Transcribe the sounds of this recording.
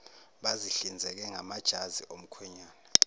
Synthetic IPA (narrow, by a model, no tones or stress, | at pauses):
ɓaziɬind͡zʱɛk̬ɛŋamad̥ʒ̥ʱaziʔom̩kʰwɛɲaːna